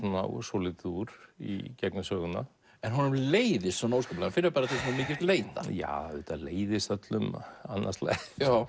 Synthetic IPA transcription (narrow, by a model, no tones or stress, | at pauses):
una̰wsolɪt̪uɾ̥ḭcɛknasœːɣʏna̰ | ɛnɦɔnʏmleːjðɪst̪ːɔnoːwskaːplaanfɪnːʏpaːɾaθismmiːcɪst̪leːjt̪a̰ja̰ðɪt̪ʰaleːjðɪst̪œt̪lʏmanːaslɛ̰xjaw